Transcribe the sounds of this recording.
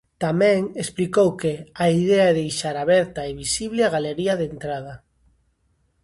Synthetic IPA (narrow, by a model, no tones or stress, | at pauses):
t̪amɛ̃ŋesplikowkeaiðɛaɛðejʃaɾaβɛɾt̪aeβisiβlɪaɣaleɾiɐðent̪ɾað̞ɐ